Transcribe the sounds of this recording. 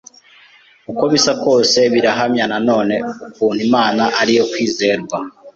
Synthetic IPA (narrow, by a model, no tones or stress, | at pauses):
ukoβisako̞ːse̞βiɾaɦamɲanano̞ːne̞ukuːn̥imaːnaʔaɾijo̞kwiːze̞ːɾɡwa